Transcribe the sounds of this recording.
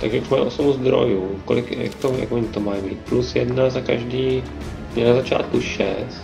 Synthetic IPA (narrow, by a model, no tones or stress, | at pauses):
t̪aɡʒɛʔuʃmajʔosobuzd̪ɾo̰juːkolɪkja̰k̚t̪oja̰kvoɲɪt̪omaːjbḭːt̪̚plusjɛdnazakaʒdiː | ɲɛnazat͡ʃa̰ːt̪kuʃɛ̰st̪